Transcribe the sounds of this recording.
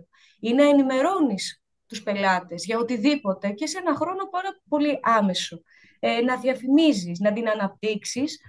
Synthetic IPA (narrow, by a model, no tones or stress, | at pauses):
inɐenime̞ɾo̞nis | t̪uspe̞lɐt̪ezʝɐot̪iðipo̞t̪e̞cese̞nɐxɾo̞no̞pɐɾɐpo̞liʔɐme̞so̞ | enɐðiɐfimizisnɐt̪inɐnɐp̚t̪iksis